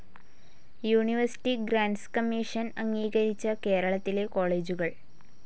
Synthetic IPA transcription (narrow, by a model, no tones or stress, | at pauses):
juːɳiʋɐrsi̥ʈːiɡɾaːɳɖskɐmːiːʂɐnɐŋːiːɣɐɾit͡ɕːɐke̞ːɾɐɭɐt̪ːile̞ko̞ːɭe̞ːd͡ʑuɣɐɭ